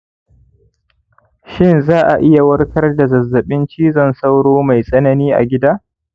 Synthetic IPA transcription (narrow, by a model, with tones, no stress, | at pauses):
ʃɪ˦˨nzaː˦ʔa˨ʔɪ˦ja˨wɐ˦rkʰɐ˦rda˨zɐ˨zːɐ˨ɓɪ˦nt͡ʃiː˦zɐ˦˨nsa˦wɽoː˦ma˨jsʼɐ˦nɐ˦niː˦ʔa̰˨ɡʲɪ˦daː˦